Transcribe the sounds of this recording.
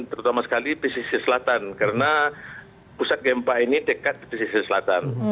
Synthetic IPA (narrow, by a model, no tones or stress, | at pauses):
t̪əɾut̪amasə̥kalipisisisəlat̪ankaɾəna | pusat̪̚ɡɛmpainidekat̪̚dipisisisəlat̪an